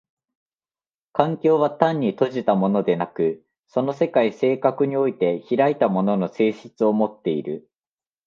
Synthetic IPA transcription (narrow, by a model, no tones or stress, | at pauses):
kãŋkʲo̞ːβat̪ãɲ̟ːit̪o̞ʑit̪amo̞no̞d̪e̞nakɯ̟ | so̞no̞se̞kaise̞ːkakɯ̟ɲ̟io̞it̪e̞çiɾait̪amo̞no̞no̞se̞ːɕɨ̥t͡sɨo̞mo̞t̪ːe̞iɾɯ̟